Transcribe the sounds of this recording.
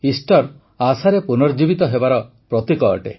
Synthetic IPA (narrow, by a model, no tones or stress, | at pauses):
isʈɔɾ | asaɾepunɔɾd͡ʒibit̪ɔɦebaɾɔ | pɾɔt̪ikɔɔ̰ʈḛ